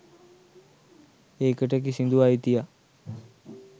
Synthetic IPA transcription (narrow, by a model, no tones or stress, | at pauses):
eːkəʈ̬əkisind̪uait̪ija